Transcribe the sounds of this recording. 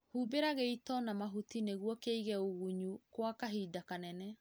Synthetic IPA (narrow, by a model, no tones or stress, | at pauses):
hubeɾaɣeitɔnamaɦutineɣwɔkeiɣɛoɣuɲukwakaɦiːdakanɛnɛ